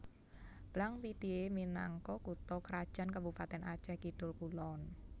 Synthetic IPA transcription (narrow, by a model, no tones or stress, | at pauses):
b̥laŋpid̥ieminaŋkɔkut̪ɔkəɾad̥ʒ̥a̤nkəbupat̪ɛnat͡ʃɛkid̥ʊlkulɔn